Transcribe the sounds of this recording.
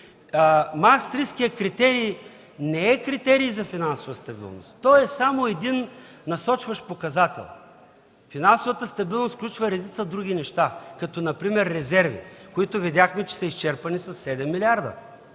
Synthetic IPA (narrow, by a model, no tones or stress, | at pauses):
mast̪ɾiskijəkɾit̪ɛɾij | nɛɛkɾit̪ɛɾiːzɐfinansovəst̪ɐbḭlˠno̰st̪t̪ːɔɛsamoɛd̪in | nɐsɔt͡ʃvɐʃpokɐzat̪ɛ̰lˠ | finansovɐt̪əst̪ɐbilˠnosklʲut͡ʃvɐɾɐd̪it̪səd̪ɾuɡ̟ʲinɛʃt̪akɐt̪ɔnɐpɾimɛɾːɛzɛɾvḭkoit̪ʊvid̪ʲjaxmɛt͡ʃɛ̥sɐist͡ʃɛɾpɐnisɐsːɛd̪ɛmːilʲiaɾd̪ə̰